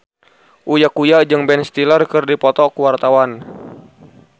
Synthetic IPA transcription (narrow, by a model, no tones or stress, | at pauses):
ʔujakujad͡ʒɨŋbɛnst̪ilərkɨrdipɔt̪ɔkuwart̪awan